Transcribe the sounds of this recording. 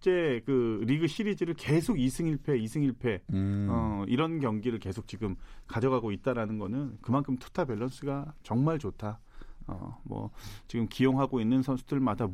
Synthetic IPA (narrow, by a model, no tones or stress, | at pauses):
t͡ɕ͈e̞kɯɾiɡɯɕʰiɾid͡ʑiɾɯɭke̞sʰoɡisʰɯŋiɭpʰe̞isʰɯŋiɭpʰe̞ʌiɾʌnkjʌŋɡiɾɯɭke̞sʰok̚t͡ɕiɡɯmkad͡ʑʌɡaɡoit̚t͈aɾanɯnɡʌnɯnkɯmankʰɯmtʰu̥tʰabjʌɭːʌns͈ʰɯɡat͡ɕʌŋmaɭt͡ɕotʰa | ʌ̰mwʌ̰t͡ɕiɡɯmkijoŋɦaɡoinːɯnsʰʌnsʰudɯɭmada